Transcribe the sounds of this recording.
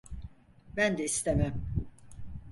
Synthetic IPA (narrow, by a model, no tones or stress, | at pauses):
bænd̪ɛist̪ʰemæm